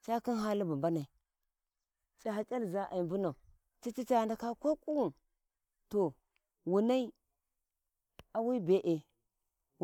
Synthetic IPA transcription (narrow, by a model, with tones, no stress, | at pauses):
t͡ʃa˦ki˦nɦa˦li˦bu˨mba˦na˨i˨ | t͡ʃʼa˨ɦa˨t͡ʃʼa˦lza˦ʔa̰˨i˨mbu˦na˨ | t͡ʃi˦t͡ʃi˦t͡ʃa˨nda˨ka˦ko˦ku˦wu˨n | to˨ | wu˨na˦i˦ | a˨wi˦be˨ʔe˨